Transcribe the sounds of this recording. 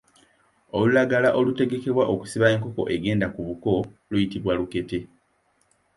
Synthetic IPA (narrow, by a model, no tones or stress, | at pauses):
olulaɡalaʔo̞lute̞ɡe̞ke̞βwaʔoku̥siβae̞ːŋko̞ko̞̰ʔe̞ɡe̞ːndakuβuko̞lujitiβwaluke̞te̞